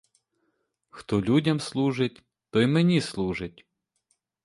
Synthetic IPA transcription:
xt̪ɔlʲudʲɐmslˠuʒɪtʲ | t̪ɔjmenʲislˠuʒɪtʲ

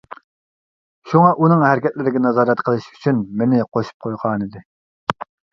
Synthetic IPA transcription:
ʃuŋɑʔunɨŋhæɾɪkʲʰɛt̪̚lɪɾɪɡʲɛnɑzɑːɾɛt̪qʰəlˠɨʃy̥t͡ʃʰynmɪnɪqʰoʃu̥p̚qʰojʁɑːnɨd̪ɪ

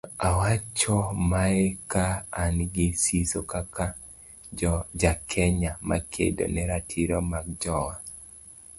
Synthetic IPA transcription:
awat͡ʃɔmaɛkaːnɡɪsisokaka | d͡ʒakʰɛɲama̰kʰḛdo̰nɛɾatʰiɾomaɡd͡ʒɔwa

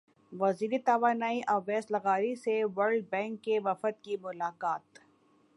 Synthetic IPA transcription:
ʋɐziːɾit̪ɐʋaːnaːiʔaʋɛːslɐɣaːɾiseʋɐɾɖ̚bɛ̃ːŋkːeʋɐfət̪̚kimʊlaːkaːt̪

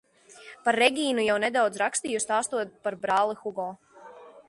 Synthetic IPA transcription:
paɾːɛɡʲiːnujawnɛd̪awd̪zɾakst̪iːjust̪aːst̪uɔt̪̚paɾbɾaːlˠixuɡɔː

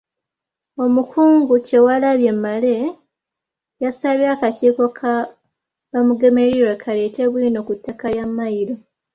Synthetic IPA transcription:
o̞mukʰuːŋɡuce̞walaβje̞mːale̞ | jasaβjakaciːko̞kʰa | βamuɡe̞me̞ɾiɾwekʰale̞te̞βwiːno̞kutːakaljamːajiɾo̞

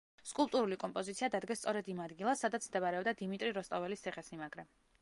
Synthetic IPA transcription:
skʼulˠpt̪ʼuɾulikʼɔmpʼɔzit̪sʰiad̪ad̪ɡɛst̪sʼɔɾɛd̪imad̪ɡilˠasːad̪at̪sʰmd̪ɛbaɾɛɔbd̪ad̪imit̪ʼɾiɾɔst̪ʼɔvɛlist̪ʰɛχɛsmimaɡɾɛ

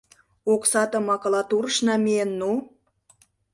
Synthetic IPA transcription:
oksɑt̪ɤ̆mɑkɤ̆lɑt̪urʃnɑmeenːu

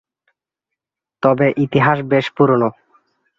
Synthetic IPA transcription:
t̪ɔbeʔit̪iɦaʃbeʃpuɾono

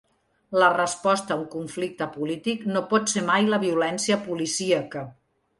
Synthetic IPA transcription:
lərəspɔst̪əːuŋkuɱflik̚t̪əpulit̪iknopɔt̪semajləβiulɛnsiəpulisiəkə

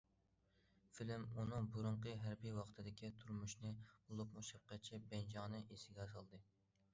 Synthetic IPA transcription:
filɪmunɨŋbuɾuɴqəɦæɾbijwɑχt̪ʰɨd̪ɪkʲit̪ʰuɾmuʃnɨolˠupmuʃɑp̚qɛt͡ʃʰibɛnd͡ʒɑŋnɨʔesɪɡʲɛzɑlˠd̪ɨ

